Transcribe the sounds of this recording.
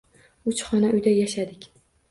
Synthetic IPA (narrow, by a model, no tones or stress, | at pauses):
ʊt͡ʃχɒnaʔʊjd̪ajaʃad̪ɪkʲ